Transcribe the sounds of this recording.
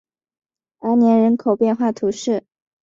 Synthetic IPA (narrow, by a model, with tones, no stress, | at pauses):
ə˧˥njɛ˧˥nɻə˧˥nkʰo˨˩ʊpjɛ˥˧nxwa˥˩t̪ʰu˧˥ʂɻ̩˥˩